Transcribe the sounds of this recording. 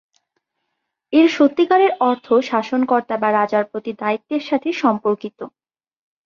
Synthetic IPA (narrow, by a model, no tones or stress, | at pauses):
eɾʃot̪ːikaɾeɾɔɾt̪ʰoʃaʃonkɔɾt̪abaɾad͡ʑaɾpɾot̪id̪ait̪ːeɾʃat̪ʰeʃɔmpoɾkit̪o